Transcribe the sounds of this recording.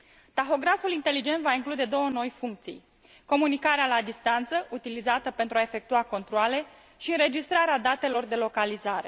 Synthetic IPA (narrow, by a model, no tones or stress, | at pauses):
t̪axo̞ɡɾafulint̪e̞lid͡ʒe̞nt̪vaiŋklud̪e̞d̪o̞wəno̞jfuŋk̚t̪sḭj | ko̞munikaɾealad̪ist̪ant̪səʔut̪ilizat̪əpe̞nt̪ɾuae̞fe̞k̚t̪uako̞nt̪ɾoale̞ | ʃiɨnɾe̞d͡ʒist̪ɾaɾead̪at̪e̞lo̞rd̪e̞lo̞kalizaɾe̞̰